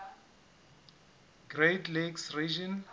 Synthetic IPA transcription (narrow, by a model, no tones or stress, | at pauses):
ɡretleksrid͡ʒɔn